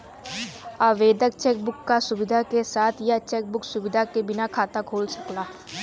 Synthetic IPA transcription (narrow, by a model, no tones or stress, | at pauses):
aːʋeːd̪ək̚t͡ʃɛːk̚bʊkːasʊbɪd̪ʱakesaːt̪ʰjat͡ʃɛːk̚bʊksʊbɪd̪ʱakebɪnakʰaːt̪akʰoːlsɐklaː